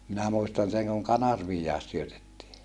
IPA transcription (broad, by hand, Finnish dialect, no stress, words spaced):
minæ muistɑn seŋ kuŋ kɑnɑrʋiːjːɑˑes syøtetːiː